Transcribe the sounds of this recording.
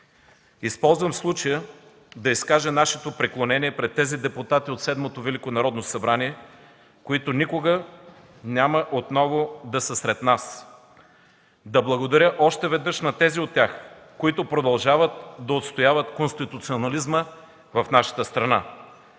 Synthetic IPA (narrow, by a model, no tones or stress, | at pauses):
ispɔlˠzvɐmslˠut͡ʃəjə | d̪ɐiskaʒɛnaʃɛt̪opɾiklˠonɛniɛpɾɛt̪ːɛzid̪ɛpʊt̪at̪iot̪sɛd̪mot̪ovɛlikonɐɾɔd̪nosɐbɾaniɛ | koit̪ʊnikoɡə | nʲaməʔot̪nɔvod̪ɐsəsɾɛt̪nas | d̪ɐblˠɐɡod̪ɐɾʲəʔɔʃt̪ɛvɛd̪nɤʃnɐt̪ɛziot̪ʲːjax | koit̪ʊpɾod̪ɐlˠʒavət̪̚d̪ɐot̪st̪ojavət̪konst̪it̪ut̪sionɐlizmə | vɐfnaʃə̥t̪əst̪ɾɐna